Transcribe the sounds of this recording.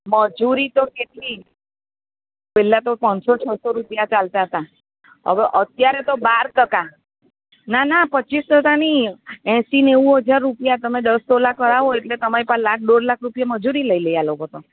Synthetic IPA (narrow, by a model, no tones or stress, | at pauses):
məd͡ʒuɾit̪okeʈ̪li | pɛlat̪opənsot͡ʃʰəsoɾupjat͡ʃalt̪aɦət̪a | ɦə̰ʋeʔət̪jaɾet̪obaɾt̪əka | nanapətːt͡ʃːisʈ̪əkaniɛ̃sinewuɦəd͡ʒaɾːupjat̪əmedəstolakəɾaʋoeʈlet̪əmaɾipə̃lakʰɖoɖlakʰɾupjaməd͡ʒuɾiləiləjaloɡot̪o